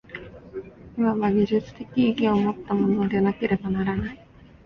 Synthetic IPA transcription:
imaβaɡʲiʑɨt͡sɨ̥t̪e̞kʲiːɡʲiomo̞t̪ːamo̞no̞d̪enake̞ɾe̞banaɾanai

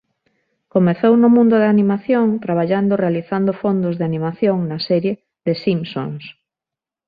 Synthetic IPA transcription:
komeθownʊmũnd̪oðeanimaθjoŋt̪ɾaβ̞aʎand̪orealiθand̪ofond̪ozðeanimaθjoŋnasɛɾje | ðesimso̰ŋs

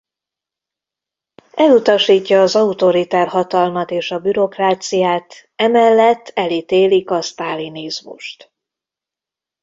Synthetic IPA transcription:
ɛlut̪ɒʃiːcːɒːzɒut̪o̞ɾit̪ɛrhɒt̪ɒlmɒt̪eːʃɒbyɾo̞kraːt̪sijaːt̪ɛmɛlːɛt̪ːɛlit̪eːlikɒst̪aːlinizmṵʃt̪

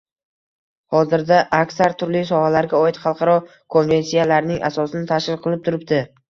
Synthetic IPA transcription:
hɒzɪɾd̪aʔːkʲsaɾt̪ʰʊɾlisɒhalaɾɡʲaɒɪt̪χɑlˠqʰɑɾɒ | kʰonve̞nsijalaɾnɪŋʔa̰sɒsɪnɪt̪ʰaʃɪlqʰɨlˠɪp̚t̪ʰʊɾɪp̚t̪ɪ

